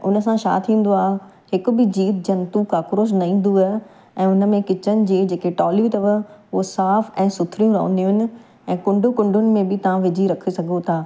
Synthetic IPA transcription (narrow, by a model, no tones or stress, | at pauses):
ʊ̰nəsãʃa̰ːt̪ʰĩːn̆d̪oaːɦ | hɪkʊ̆bɪd͡ʑiːt̪̚d͡ʑɐ̃nt̪ukaːkɾoːʃ̬nɐĩːn̆d̪ua | ɛ̃ːʊnə̆mẽkɪt͡ɕənɪ̆d͡ʑeːd͡ʑeːkeʈɔːlit̪ɐʋəosaːfɛ̃ːsʊt̪ʰɾijũɾɐ̰ɦṵ̃n̆d̪ijũʊɦɪnɪ̆ | ɛ̃ːkʊ̃ɳɖʱʊkʊ̃ɳɖʱʊnɪ̆mẽbɪt̪ɐʋ̤ãʋɪd͡ʑʱiɾɐkʰesɐɡʱot̪ʰaː